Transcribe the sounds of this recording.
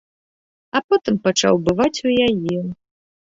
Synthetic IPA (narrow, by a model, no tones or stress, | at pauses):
ɐpɔt̪ɨmpat͡ʂa̰wbɨvat͡sʲujajɛ